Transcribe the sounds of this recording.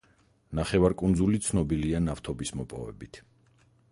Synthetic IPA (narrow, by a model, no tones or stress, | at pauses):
naχɛvaɾkʼund̪zulit̪sʰnɔbilianaft̪ʰɔbismɔpʼɔvɛ̰bit̪ʰ